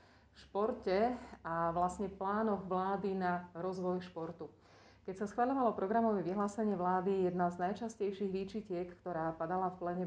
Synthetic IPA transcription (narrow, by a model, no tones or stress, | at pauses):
ʃpɔɾcɛaʋlasɲɛplaːnɔɣʋlaːd̪inaɾɔzʋɔjʃpɔɾt̪u | kɛcsasxʋaʎɔʋalɔpɾɔɡɾamɔʋɛʋiɦlaːsɛɲɪɛʋlaːd̪ijɛd̪naznajt͡ʃascɛjʃiɣʋit͡ʃicɪɛkkt̪ɔɾaːpad̪alafplɛɲɛ